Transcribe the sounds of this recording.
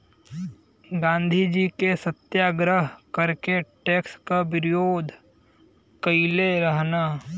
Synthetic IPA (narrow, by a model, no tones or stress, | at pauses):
ɡãːnd̪ʱid͡ʒiːkesət̪jaːɡɾəɦkəɾkeʈeːkskabɪɾɪjoːd̪ʱ | kəileɾəɦnaː